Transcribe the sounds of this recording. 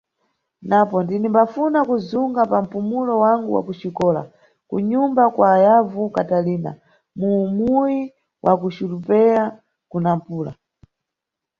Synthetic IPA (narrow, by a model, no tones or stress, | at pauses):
napɔndinimbafunakuzuŋɡapam̩pumulɔwaŋɡuwa̰kut͡ʃikɔːla̰ | kṵɲumbakwaːjavukataliːna̰ | muːmuji | wʔakut͡ʃilupɛɾa | kunam̩puːla̰